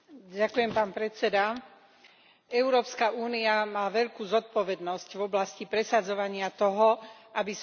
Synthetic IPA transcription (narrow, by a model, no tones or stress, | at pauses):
ɟakujɛmpaːnpɾɛt͡sɛd̪a | ɛʊɾɔːpskaʔuːniamaːʋɛʎkuːzɔt̪̚pɔʋɛd̪nɔscvɔblascipɾɛsad͡zɔʋaɲɪat̪ɔɦɔʔabis